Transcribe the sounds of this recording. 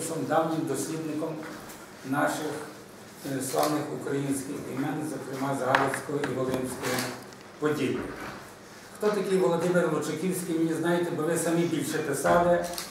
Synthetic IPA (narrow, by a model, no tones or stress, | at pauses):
ʃɔmd̪ɑwnʲɪmd̪ɔsʲlʲid̪nɪkɔm | nɑʃɪx | slˠɑ̰wnɪxukɾɐjinsʲkɪxḭmɛnzɔkɾɪmɑzɦɑlʲɪwsʲkɔjɔiʋɔlˠɪmsʲkɔji | pɔdʲijḭ | xt̪ɔt̪ɐkʲɪjʋɔlˠɔd̪ɪmɪɾlɔt͡ʃekʲiwsʲkijmnʲiznɑjɪt̪ɛbɔʋɪsɐmibʲilʲʃɛpɪsɑlˠɪ